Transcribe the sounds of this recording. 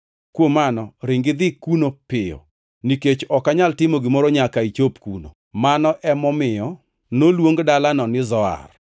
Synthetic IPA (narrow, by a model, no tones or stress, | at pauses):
kwomanɔɾɪŋɡɪd̪ɪkunopɪjɔ̰ | niket͡ʃɔkaɲaltɪmoɡɪmɔɾɔɲakait͡ʃopkuno̰ | manɔʔɛmɔmɪjɔ | nolwoŋɡdalanɔnɪzɔa̰r